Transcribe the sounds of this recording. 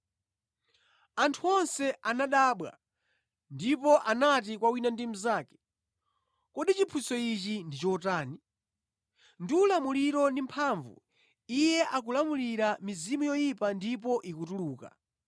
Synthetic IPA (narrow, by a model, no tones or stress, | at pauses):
antʰuɔnsɛʔanaɗaːɓwa̰ | ndipɔʔanat̬ikwawinandimuzaːkɛ̥ | kɔɗit͡ʃipʰusɔit͡ʃindit͡ʃɔtaːni | ndiulamuliɾɔnimpʰaːɱvṵ | ijɛʔak̬ulamuliɾamizimujɔjipandip̬ɔʔikutuluːka̰